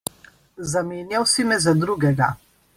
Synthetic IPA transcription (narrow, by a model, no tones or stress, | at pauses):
zameːnjawsimɛzad̪ɾuɡɛɡa̰